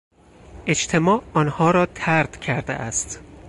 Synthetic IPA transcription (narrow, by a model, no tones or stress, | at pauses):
ʔe̞t͡ʃt̪ʰe̞mɒːʔɒːnhɒːɾɒːt̪ʰæɾd̪̥cʰæɾd̪ḛʔæst̪